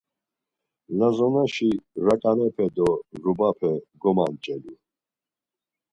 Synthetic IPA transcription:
lazɔnaʃiɾakʼanɛpʰɛd̪ɔɾubapʰɛɡɔmant͡ʃʼɛlu

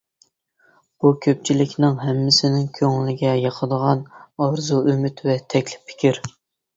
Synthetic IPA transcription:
b̥ukʲʰøp̚t͡ʃʰilɪkʲnɪŋɦɛmːɪsɪnɪŋkʲʰøŋlɪɡʲɛjɑqʰəd̪əʁɑnɑɾzuymyt̪vɛt̪ʰɛkʲlɪ̥pʰːɪ̥kʲiɾ

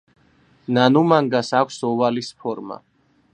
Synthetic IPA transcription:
nanumaŋɡasakʷʰsɔvalispʰɔɾma̰

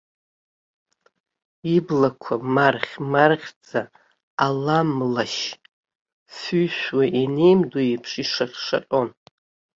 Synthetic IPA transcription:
iblakʷʰamarχʲmarχʲd͡zaː | lamlaʃ | fyjʃʷᶣwaʔinejmdoipʰʂiʂaχʲʂa̰qʼon

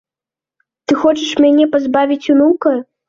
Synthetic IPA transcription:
t̪ɨxɔt͡ʂɐʂmʲanʲɛpazbavʲit͡sʲunukɐ

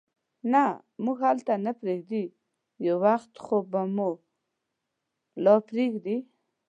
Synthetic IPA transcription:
na | muɡhalt̪anapɾeɡd̪i | jawaxt̪xobamo | lɔpɾeɡd̪i

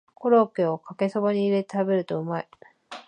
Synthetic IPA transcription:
ko̞ɾo̞ːke̞o̞kake̞so̞baɲ̟iːɾe̞t̪e̥t̪abe̞ɾɯ̟t̪o̞ɯ̟mai

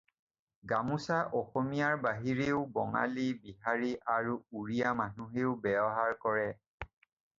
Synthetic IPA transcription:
ɡamusaʔɔxɔmijaɹbaɦiɹeʊbɔŋa̰libiɦaɹiʔaɹuuɹijamanuɦeʊbɛbɔɦaɹkɔɹɛ

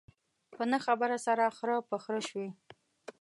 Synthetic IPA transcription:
pənəxabəɾasaɾaxɾəpəxɾəʃwi

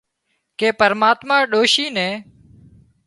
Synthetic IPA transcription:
keːpəɾmaːt̪mãːɗoːʃiːnɛ̃ː

